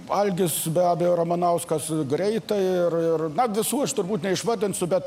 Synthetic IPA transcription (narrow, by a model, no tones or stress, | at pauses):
ɐlʲɡʲɪsbʲæːbʲɛjoːɾɐmɐnɐʊskɐsɡɾʲɛɪt̪ɐɪrɪrnɐʋʲɪsuːɐʃt̪ʊrbuːt̪nʲɛɪʃʋɐd̪ʲɪnsʲʊbʲɛt̪